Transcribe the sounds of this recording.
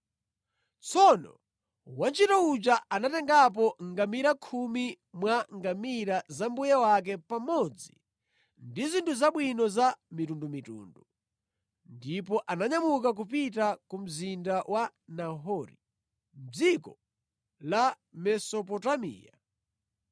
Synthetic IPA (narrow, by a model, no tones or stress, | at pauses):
t͡sʰɔnɔ̰ | want͡ʃitɔut͡ʃaanatɛŋɡap̬ɔŋɡamiɾakʰumi | mwaŋɡamiɾazambujawak̬ɛpamɔd͡zḭ | ndizintʰuzaɓwinɔzamitundumitṵːndu | ndipɔʔanaɲamuk̬ak̬upit̬akum̩zindawʔanaɦɔɾi | d͡zikɔ | la | mɛsɔpɔtamḭːja̰